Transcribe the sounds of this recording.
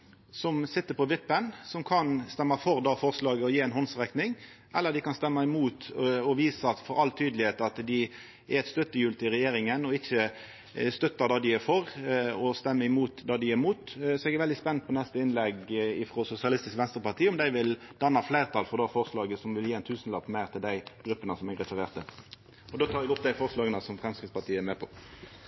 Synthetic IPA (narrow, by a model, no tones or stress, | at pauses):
sɔmsɪt̪ːəpʰɔʋɪpːənsɔmkʰɑnst̪ɛmːɑfɔʁd̪ɑːfɔʁslɑːɡəɔjiːɛnɦɔnsʁɛk̪nɪŋ | ʔɛlːəd̪ɪkɑnst̪ɛmːɑɪmuːt̪ɔʋiːsɑfɔɾɑlt̪ʰyːd̪lɪheːt̪ɑt̪d̪ɪ | ʔæɾɛt̪st̪œt̪ːəjʉːlt̪ɪɾɛjeːɾɪŋənɔɪçːə | st̪œt̪ːɑd̪ɑːd̪ɪæɾfɔɾɔst̪ɛmːəɪmuːt̪d̪ɑːd̪ɪæɾmuːt̪sɔɛɡɛɾʋɛld̪ɪspɛnːpʰɔnɛst̪əɪnlɛɡɪfɾɔsʊsɪɑlɪst̪ɪskʋɛnst̪ɾəpɑʁt̪ʰiːɔmd̪æɪʋɪld̪̥ɑnːɑfleɪʁt̪ʰɑːlfɔʁd̪ɑːfɔʁslɑːɡəsɔmʋɪljeːɛnt̪ʰʉːsənlɑpmæɪʁt̪ʰɪld̪æɪɡ̥ɾʉpːənəsɔmɛɾɛt̪əɾeːʁt̪ə | ɔd̪oːt̪ʰɑːɾɛɡɔp̚d̪æɪfɔʁslɑːɡənəsɔmfʁɛmskɾɪt̪spɑʁt̪ʰiːəæmeːpʰɔ